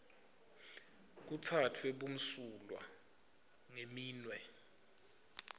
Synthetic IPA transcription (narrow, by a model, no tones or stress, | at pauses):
k̬ut͡sʰatʰweɓum̩sulwa̰ | ŋemiːnwɛ